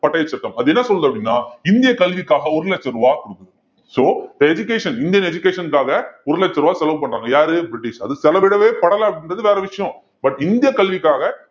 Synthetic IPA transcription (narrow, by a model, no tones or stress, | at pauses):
pɐʈːɐjɐt͡ʃːɐʈ̪ːɐmɐðɯɛnːɐsɔlːðɐpːɐɽɪnːaːɪnd̪ɪjɐkɐlʋɪkːaːɣɐɔɾɯlɛt͡ʃːɐɾɯʋaːkʊɽɯkːɐðɯ | soːd̪ɐɛd͡ʒʊkeːʂɐnɪnd̪ɪjɐnɛd͡ʒʊkeːʂɐnkaːɣɐɔɾɯlɐt͡ʃːɐɾɯʋaːsɛlɐʋpɐɳːɾaːŋɡɐjaːɾɯbɾɪʈːɪʂɐðɯsɛlɐʋɪɽɐʋeːpɐɽɐlɐ̃ːɐpɐɽɪndrɐðɯʋeːɾɛʋɪʂɐjɔ̃ | bɐʈːɪnd̪ɪjɐkɐlʋɪkːaːɣɐ